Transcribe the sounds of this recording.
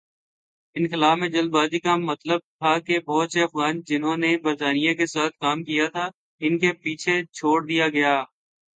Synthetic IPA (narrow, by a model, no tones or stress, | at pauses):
ɪnxɪlaːfmẽd͡ʒɐld̪baːzikamɐt̪ləb̚t̪ʰakebɔːt̪seɐfɣaːnd͡ʒɪnɦõnebɐɾt̪aːnijãkesaːt̪ʰkaːmkijat̪ʰa | ɪnkepiːt͡ʃʰet͡ʃʰoːɽd̪ijaɡɐjaː